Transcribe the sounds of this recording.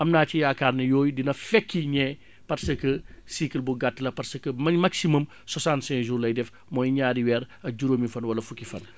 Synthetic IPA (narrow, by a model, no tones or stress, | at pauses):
ʔɐmnaːt͡ʃijaːkaːɾnɐjɔːjdinɐfɛkːiɲɛ | pɐrsəkəsikəlbuɡatːlɐpɐrsəkːəmɐnmaksimum | sɔsãntsɛ̃ŋʒuːɾlɐjdɛf | mɔjɲaːdiwɛːɾ | ɐɟuɾoːmifɐnwɐlɐfukifɐn